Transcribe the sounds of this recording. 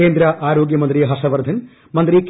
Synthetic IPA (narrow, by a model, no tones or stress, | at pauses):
eːnd̪ɾɐʔaːɾoːɡjɐmɐnt̪ɾiɦɐsɐʋɐɾd̪ʱɐn | mɐnt̪ɾik